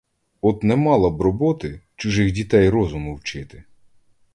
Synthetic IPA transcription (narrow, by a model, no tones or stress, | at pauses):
ɔt̪nɛmɑlˠɐbɾɔbɔt̪ɪt͡ʃʊʒɪxdʲit̪ɛjɾɔzʊmʊwt͡ʃɪt̪ɪ